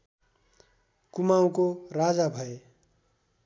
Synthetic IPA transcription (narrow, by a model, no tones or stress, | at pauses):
kumaw̃korad͡zabʱʌe